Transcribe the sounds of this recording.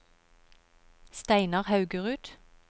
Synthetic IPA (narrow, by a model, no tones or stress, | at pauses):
st̪æɪnɑʁhɑʉɡəʁʉːt̪